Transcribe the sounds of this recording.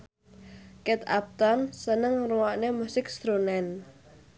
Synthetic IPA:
kɛt̪a̰p̚t̪ɔnsənəŋruwaʔnemusɪkst̪ɾonɛn

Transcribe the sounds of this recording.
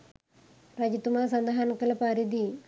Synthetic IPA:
ɾɐd͡ʒit̪ːumaːs̬ɐnd̪ɐɦanɐkːɐlɐpaɾid̪i

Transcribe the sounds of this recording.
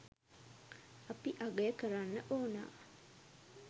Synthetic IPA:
apiʔaɡəjəkəɾanːəʔoːna̰ː

